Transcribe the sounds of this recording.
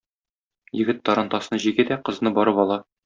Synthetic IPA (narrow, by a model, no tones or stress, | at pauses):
jɘ̆ɡɘt̪ːɒɾɑnt̪ɑsnɤʑiɡæd̪æqɤ̆znɤbɒɾɤpɒlˠɑ